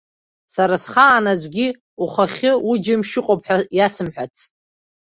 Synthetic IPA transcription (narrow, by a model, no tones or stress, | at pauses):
saɾasχaːnazʷɡʲi | uχaχʲɪud͡ʒɪmʃɪqʼopʰħajasɨmħᶣʷat͡sʰʼ